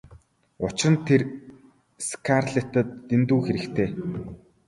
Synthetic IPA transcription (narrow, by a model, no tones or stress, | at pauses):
ʊt͡ɕɪ̆rə̆nt̪ʰer | skʰarɮet̪ə̆t̪ːent̪uːxeɾɘ̆kt̪ʰeː